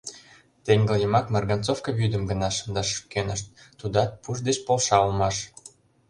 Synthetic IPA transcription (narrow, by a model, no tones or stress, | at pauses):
t̪eŋɡə̆ljə̆mɑkmɑrɡɑnt͡sofkəβyd̪ə̆mɡə̆nɑʃə̥nd̪ɑʃu̥kenəʃt̪̚ːud̪ɑt̪̚puʒd̪et͡ɕpolʃɑulmɑʃ